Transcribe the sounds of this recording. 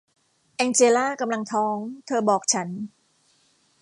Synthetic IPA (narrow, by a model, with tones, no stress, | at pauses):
ʔɛː˧ŋt͡ɕeː˧laː˥˩ka˧mla˧ŋt̪ʰɔː˦˥ŋt̪ʰɤː˧bɔː˨˩k̚t͡ɕʰa˦˥n